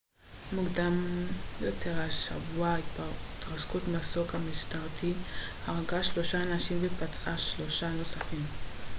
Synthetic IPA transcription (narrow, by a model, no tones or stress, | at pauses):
muɡdamjotʰeʁaʃa̰vuaiait̪ʁaskutmasokhamiʃtaʁtʰihaʁɡaʃlo̞ʃaːnaʃimbepat͡sʔaʃlo̞ʃano̞safim